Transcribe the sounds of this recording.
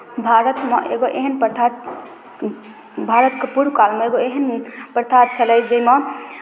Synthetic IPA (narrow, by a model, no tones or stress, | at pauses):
bʱaɾət̪meʔeɡoʔeɦənpt̪ʰa | bʱaɾət̪kepuɾkalmeeɡoeɦənpɾt̪ʰaɾ̚t͡ʃʰəlɛjd͡ʒeime